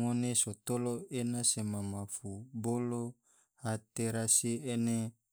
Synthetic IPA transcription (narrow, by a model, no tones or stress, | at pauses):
ŋonesot̪oloenasemamafubolo | hat̪eɾasiene